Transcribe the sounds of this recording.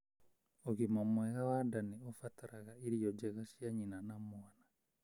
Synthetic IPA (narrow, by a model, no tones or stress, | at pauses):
oɣimamwɛɣawadaniɔfataɾaɣaiɾijɔd͡ʒɛɣaʃjaɲinanamwana